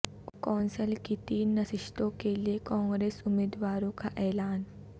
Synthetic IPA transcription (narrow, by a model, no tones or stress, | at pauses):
kɔnsəlkit̪iːnːəsiʂt̪okelekɔ̃ːŋɡɾesumed̪ʋaɾõkaʔɛlaːn